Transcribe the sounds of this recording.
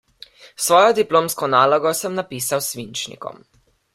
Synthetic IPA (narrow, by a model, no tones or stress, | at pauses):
sʋɔːjɔd̪iploːmskɔnaːlɔɡɔsəmnapiːsawsʋint͡ʃnḭkɔ̰m